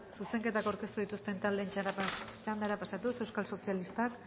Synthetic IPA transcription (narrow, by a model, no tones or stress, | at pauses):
suse̞ŋke̞t̪akawɾke̞st̪uðit̪ust̪e̞nt̪ald̪eːnt͡ʃaɾat͡ʃand̪aɾapasat̪use̞wskalso̞sialist̪ak